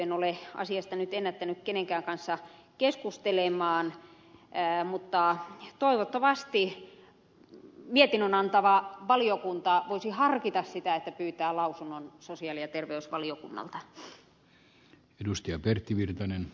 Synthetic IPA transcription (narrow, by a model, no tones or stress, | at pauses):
enoleɑ̰siɑst̪ɑnyt̪enːæt̪ːænykkeneŋkæːŋkɑnsːɑkeskust̪elemɑːnː | mut̪ːɑt̪oiʋot̪ːɑʋɑst̪i | miet̪inønɑnt̪ɑʋɑʋɑliokunt̪ɑʋoisihɑrkit̪ɑssit̪æet̪ːæpyːt̪æːlɑusunːonsosiɑlijɑt̪erʋeysʋɑliokunːɑ̰lt̪ɑ | edust̪ɑjɑpert̪ːiʋirt̪ɑnen